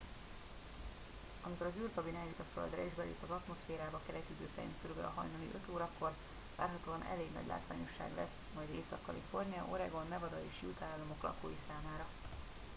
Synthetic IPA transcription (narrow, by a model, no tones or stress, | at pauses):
ɒmiko̞ɾɒzyːrɡɒbinɛjut̪ɒfø̰ld̪rɛeːʒbɛlḛːpːɒzɒt̪mo̞sfeːɾaːbɒkɛɾɛt̪yd̪øːsɛɾḭnt̪køɾyɡlɒɦɒ̰jnonḭʔøt̪oːɾɒkːo̞r | va̰ːrɦɒt̪oːɒnɛ̰leːɡnɒ̰ɟla̰ːt̪ʋa̰ːɲo̞ʃːa̰ːɡlɛ̰s | mɒjd̪eːsɒkːɒlifo̞rniɒ̰ʔo̞̰ɾɛɡo̞nmɛvɒd̪ɒjiːʃjut̪aːlːɒmo̞klɒ̰koːjisaːmaːɾɒ